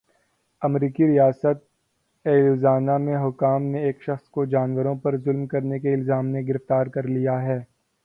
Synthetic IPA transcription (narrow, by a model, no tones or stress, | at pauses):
ɐmɾiːkiɾijaːsət̪̚ | eːluːzaːnamẽɦʊkaːmneeːkʃɐxskod͡ʒaːnwəɾõpɐɾzʊlmkɐɾnekeɪlzaːmneɡɪɾɪft̪aːɾkɐɾlijaɦɛː